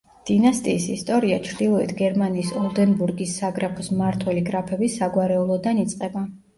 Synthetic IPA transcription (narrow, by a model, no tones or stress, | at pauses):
d̪̥inast̪ʼiːsist̪ʼɔɾiat͡ʃʰɾd̪ilˠɔḭt̪ʰɡɛɾmaniːsɔlˠd̪ɛnbuɾɡisːaɡɾapʰɔsmaɾt̪ʰwɛliɡɾapʰɛbisaɡwaɾɛulˠɔd̪anit̪sʼqʼɛba